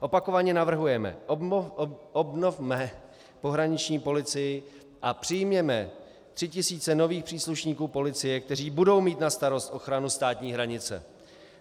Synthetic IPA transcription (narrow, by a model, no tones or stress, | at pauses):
ʔo̞pako̞vaɲɛnavr̩ɦujɛmɛ̰ | obnovmɛ | po̞ɦɾaɲɪt͡ʃɲiːpo̞lɪt͡sɪjɪ | ʔapr̥ɪjmɲɛmɛ | t̪r̝̥ɪcɪsiːt͡sɛno̞viːxpr̥iːsluʃɲiːkuːpo̞lɪt͡sɪjɛk̚t̪ɛriːbudo̞wmiːt̪nast̪aɾo̞st̪ʔo̞xɾanust̪aːt̪ɲiːɦɾaɲɪt͡sɛ̰